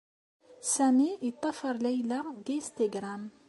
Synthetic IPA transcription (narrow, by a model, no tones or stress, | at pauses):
sæniit̪ˤːɑfɑɾˤlæjlaɡ̪ist̪eɡɾam